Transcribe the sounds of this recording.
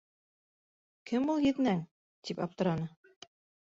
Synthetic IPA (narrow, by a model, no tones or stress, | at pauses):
kʰɘmulˠjɘ̆ðɘ̆næŋ | t̪ipɑp̚t̪ɤ̆ɾɑnɤ